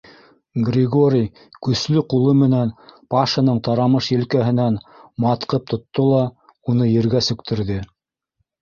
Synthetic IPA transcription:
ɡrʲɪɡoɾʲij | kɵ̆slɵqulˠɤmɘ̆nænpɑʃɤ̆nɤɴt̪ɑɾɑmɤʃjɘ̆lkæɦɘ̆nænmɑt̪qɤp̚t̪ʰŏt̪ːolˠɑ | unɤjɘ̆ɾɡæsɵ̆kt̪ʰɘ̆ɾðɘ

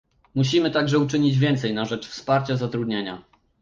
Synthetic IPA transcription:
muɕ̬imɘt̪aɡʐɛut͡ʂɘɲid͡ʑvʲjɛnt̪sɛjnaʐɛt͡ʂfspaɾt͡ɕazat̪ɾud̪ɲeɲa̰

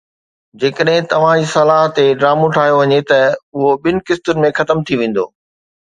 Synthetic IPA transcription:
d͡ʑeːkəɗɦɪ̃t̪ɐʋ̤ãd͡ʑisɐlaːɦt̪eɖɾaːmõʈʰaːɦijoʋɐɲet̪ɐʊɦoɓɪnɪ̆kɪst̪ʊnɪ̆mẽxɐt̪əmt̪ʰiʋẽːn̆d̪o̰ː

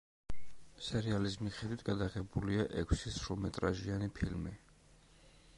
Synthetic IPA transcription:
sɛɾializmiχɛd̪wit̪ʰɡad̪aʁɛbuliaʔɛkʰsisɾumɛt̪ʼɾaʒianipʰilmi

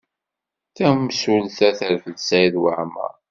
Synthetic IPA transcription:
θæmsulθæθəɾfəðsæjðwaʕmə̰

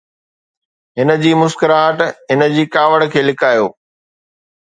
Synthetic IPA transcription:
ɦɪnə̆d͡ʑiːmʊskəɾãɦəʈɦɪnə̆d͡ʑiːkaːʋəɽkʰeːlɪkaːjoː

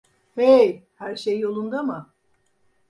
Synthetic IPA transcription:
ejhæɾʃejːo̞lˠund̪amɯ

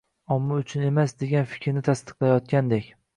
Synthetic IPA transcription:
ɒmːɪʊt͡ʃʰʊne̞masd̪e̞ɡʲanfɪ̥kʲʰɾnɪt̪ʰast̪ɨ̥qlˠajɒt̪̚kʲand̪ekʲ

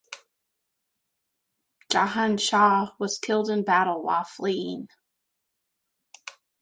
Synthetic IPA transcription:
d̥ʒ̥ɑɦæ̃nʃɑwʌz̥kʰɪlˠdɨ̃nbæɾl̩ˠwɑ̰fliɪ̃ŋ

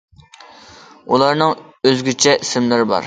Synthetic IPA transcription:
ulˠɑɾnɨŋøzɡʲyt͡ʃʰɛʔisɪmlɪɾɪbɑ̰ɾ

